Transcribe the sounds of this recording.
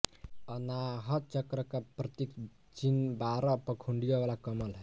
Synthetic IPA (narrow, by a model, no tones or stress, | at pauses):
ʌnaɦʌt͡ʃʌkɾʌkaprʌt̪ik | t͡ʃinbaɾʌpʌkʰuɳɖijɔwalakʌmʌlɦʌj